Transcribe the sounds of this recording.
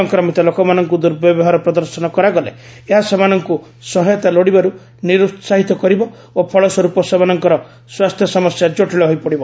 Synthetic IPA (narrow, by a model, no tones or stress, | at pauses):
ɔŋkɾɔmit̪ɔlokɔmanɔŋkud̪uɾbjɔbɔɦaɾɔpɾɔd̪ɔɾsɔnɔkɔɾaɡɔleeɦasemanɔŋku | sɔɦɔjɔt̪aloɽibaɾu | niɾut̪saɦit̪ɔkɔɾibɔ | opʰɔɭɔsɔɾupɔsemanɔŋkɔɾɔ | swast̪ʰjɔsɔmɔsjad͡ʒoʈiɭɔɦojpɔɽibɔ